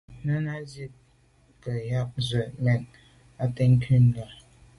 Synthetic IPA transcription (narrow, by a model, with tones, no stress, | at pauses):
nə˦na˦zi˦t̚ | kə˨ja˦p̚zə˨mɛ˨n | a˦te˦ŋ̩˦kʰi˦nla˨